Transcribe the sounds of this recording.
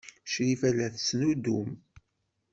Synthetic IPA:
ʃɾifælæθsnud̪um

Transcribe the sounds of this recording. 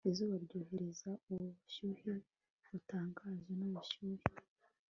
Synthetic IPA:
izuːβaɾɟoːhe̞ɾezaoʃuːhe | utaːŋɡaːʒenaβuʃuːɾe

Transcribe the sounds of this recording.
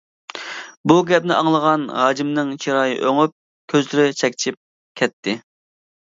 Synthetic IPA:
buɡʲɛp̚nɪʔɑŋlˠəʁɑnɦɑːd͡ʒimnɨŋt͡ʃʰiɾɑːjɨ̰ʔøŋyp̚ | kʲʰøzlɪɾɪt͡ʃʰɛkʲt͡ʃʰip̚ | kʲʰɛt̪ʰːɪ

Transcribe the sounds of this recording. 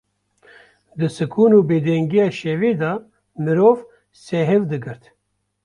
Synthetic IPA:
d̪ɨsɨkʰuːnuːbeːd̪ɛŋɡijɑːʃeveːd̪ɑː | mɨɾoːv | seɦevd̪ɨɡɨɾt̪

